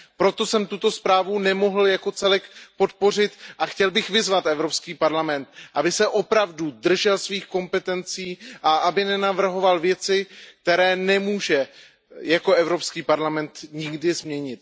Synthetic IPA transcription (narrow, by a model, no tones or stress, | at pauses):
pɾot̪o̞sɛmt̪ut̪o̞spɾaːvunɛmo̞ɦl̩jako̞t͡sɛlɛkpo̞t̪por̝ɪt̪ʔaxcɛlbɪxvɪzvat̪ʔɛvɾopskiːpaɾlamɛnt̪ʔabɪsɛʔo̞pɾavdud̪r̩ʒɛlsviːxko̞mpɛt̪ɛnt͡siːʔaʔabɪnɛnavr̩ɦo̞valvjɛt͡sɪk̚t̪ɛɾɛːnɛmuːʒɛ | jako̞ɛvɾo̞pskiːpaɾlamɛnt̪ɲɪɡdɪzmɲɛɲɪt̪̚